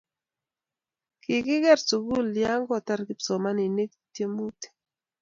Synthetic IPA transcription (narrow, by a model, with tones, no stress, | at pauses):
kɪ˨kɪ˦ɡɛ˦˨rsu˨ɡu˦˨lja˦ŋɡɔ˦˨ta˦ɾkɪ˦psɔ˨ma˦ni˨ne˦k̚tje˦mu˦te̥˨